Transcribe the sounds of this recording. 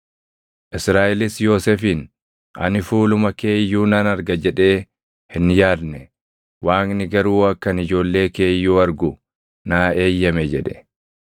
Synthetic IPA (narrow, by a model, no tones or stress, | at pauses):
ʔɪsɾaːʔɪlɪsjo̞ːsɛfiːn | ɐ̰nɪfuːlʊmɐke̞ːjːuːnɐnɐɾɡɐd͡ʒɛᶑe̞ː | hɪnjaːd̪nɛ | waːŋnɪɡɐɾuːɐkːɐnɪd͡ʒo̞ːlːe̞ːke̞ːjːuːɐɾɡʊ | naːe̞ːjːɐmɛd͡ʒɛᶑɛ̥̰